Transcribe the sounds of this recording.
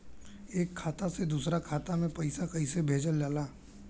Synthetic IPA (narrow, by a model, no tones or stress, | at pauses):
eːkʰːaːt̪ased̪uːsɾakʰaːt̪amẽpɐɪsakɐisebʱeːd͡ʒəld͡ʒaːlaː